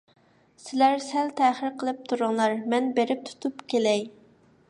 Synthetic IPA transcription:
sɪlæɾsælt̪ʰæːχəɾqʰəlˠɨp̚t̪ʰuɾʊŋlˠɑɾmɛnbeɾɪp̚t̪ʰu̥t̪ʰupkʲʰelɛj

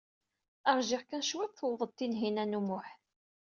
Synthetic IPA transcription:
əɾˤʒɪʁkænʃwæt̪θəwðˤəd̪̚t̪ːinɦinænumʊħ

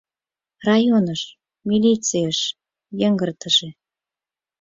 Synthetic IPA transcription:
rɑjonəʃ | milʲit͡sijəʃ | jəŋɡərt̪əʒe

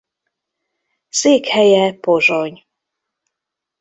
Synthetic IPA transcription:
seːkhɛjɛpoʒoɲ

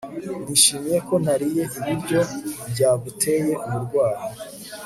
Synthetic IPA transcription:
niʃimije̞ko̞n̥haɾije̞ʔiβiɾɟo̞bɟaːɡutʰe̞je̞ʔuɾuɾɡwaːɾo

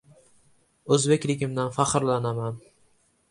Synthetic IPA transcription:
ɵzbekʲlɪkʲʰɪmd̪anfaqɨɾlanaman

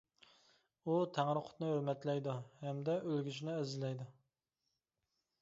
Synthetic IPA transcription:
ut̪ʰæŋɾɨqʰʊ̥t̪nɨhøɾmɛt̪lɛjd̪uhɛmd̪ɛʔølɡʲyʃnɪɛzɪlɛjd̪u

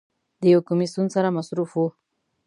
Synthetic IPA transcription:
d̪əjawkʊmisunsaɾamasɾufwu

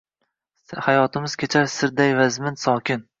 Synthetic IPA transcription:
hajɒt̪ʰɪmɪzkʲʰet͡ʃʰaɾsɪɾd̪ajvazmɪnsɒkʲʰɪn

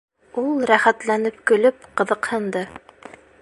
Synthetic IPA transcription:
ulˠɾæχæt̪lænɘpkɵ̆lɵpqɤ̆ðɤ̆qhɤ̆nd̪ɤ

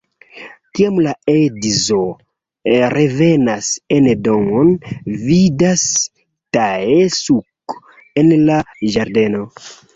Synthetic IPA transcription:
kiamlaedizo | ɾevenasendoŋonvidas | taesuk | enlaʒaɾde̞no̞

